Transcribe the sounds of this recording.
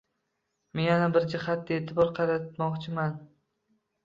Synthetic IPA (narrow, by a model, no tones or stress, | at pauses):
menjanabɪɾd͡ʒɪhat̪̚ːaeːt̪ʰɪbɒɾqʰɑɾat̪mɒqt͡ʃʰɪman